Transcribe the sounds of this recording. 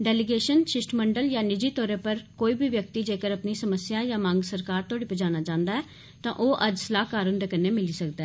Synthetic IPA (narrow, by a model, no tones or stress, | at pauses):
ɖɛːlɪɡeːʃənʃɪsʈməɳɖəljãːnɪd͡ʒiːt̪ɔːɾeːpəɾkoːiːbʱiːʋjək̚t̪iːd͡ʒeːkəɾəpniːsəməsɪjãːjãːmãːŋɡsəɾkaːɾt̪ʊaːɽiːpəd͡ʒaːnaːt͡ʃãːnd̪aːɛː | t̪ã̰ːʔoːʔəd͡ʒsəlaːkaːɾʊnd̪eːkəneːmɪliːsəkd̪ɛː